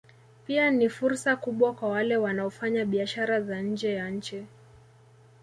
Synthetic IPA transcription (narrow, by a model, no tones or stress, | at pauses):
pianifuɾsakuɓwakwawalɛwanaɔfaɲaɓiaʃaɾazaɲ̩d͡ʒɛjaɲ̩t͡ʃi